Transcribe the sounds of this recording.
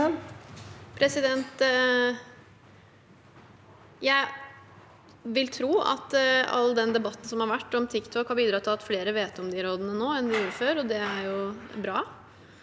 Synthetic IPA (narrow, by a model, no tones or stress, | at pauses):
pʰɾɛsɪd̪ɛnt̪ | jæɪ | ʋɪlt̪ʰɾuːɑ̰t̪ɑ̰lːəd̪ɛnd̪ɛbɑt̪ːn̩sɔmhɑɾʋæʈːɔmt̪ʰɪkt̪ʰɔkhɑɾbiːd̪ɾɑːt̪ʰɪlɑt̪fleːɾəʋeːt̪ɔmd̪ɪɾoːd̪ənənoːɛnd̪ɪjuːɾəføːɾɔd̪ɛæɾjʊbɾɑː